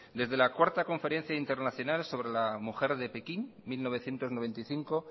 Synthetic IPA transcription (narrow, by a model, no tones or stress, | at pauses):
d̪e̞zðe̞lakwaɾt̪ako̞ɱfe̞ɾe̞n̟θjaint̪e̞ɾnaθjo̞nalso̞βɾe̞lamuxe̞ɾðe̞pe̞kinmilno̞β̞e̞θje̞nt̪o̞znoβe̞nt̪ijθiŋko̞